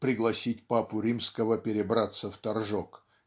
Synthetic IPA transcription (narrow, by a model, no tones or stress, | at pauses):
pɾʲɪɡlˠɐsʲitʲpapʊɾʲimskəvəpʲɪɾʲɪbɾat̪səft̪ɐrʐok